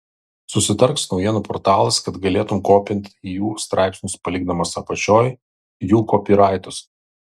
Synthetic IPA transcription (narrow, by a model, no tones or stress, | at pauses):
sʊsʲɪt̪ɐɾksnɒʊjiɛnuːpɔːɾt̪ɑːlˠɐskɐt̪ɡɐlʲeːt̪ʊmkoːpʲɪnʲt̪ʲijuːst̪ɾɑˑɪpʲsʲnʲʊspɐlʲiːɡd̪ɐmɐsɐpɐt͡ʃʲoːj | juːkɔːpʲiːɾɑˑɪt̪ʊs